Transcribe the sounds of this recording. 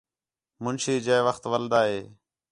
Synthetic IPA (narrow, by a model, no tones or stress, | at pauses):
mʊnʃiːd͡ʒeːʋəxt̪ʋəld̪aːɦeː